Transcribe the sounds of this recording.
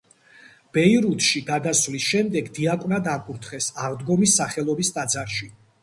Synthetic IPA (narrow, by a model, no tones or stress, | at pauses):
b̥ɛiɾut̪ʰʃiɡad̪asvlisʃɛmd̪ɛɡd̪iakʼvnad̪akʼuɾt̪ʰχɛsaʁd̪ɡɔmisːaχɛlˠɔbist̪ʼad̪zaɾʃi